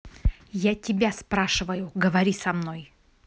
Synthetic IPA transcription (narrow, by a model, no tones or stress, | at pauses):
jatʲɪbʲaspɾaʂɨvəjʊɡəvɐɾʲisɐmnoj